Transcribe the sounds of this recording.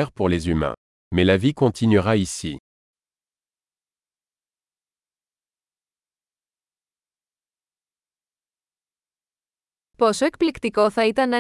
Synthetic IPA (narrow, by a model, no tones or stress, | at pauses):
ɛʁpuʁlezymɛ̰̃ | mɛlavikɔ̃t̪ʰinɥiʁaisi | posoek̚plikt̪iko̞θɐit̪ɐnɐ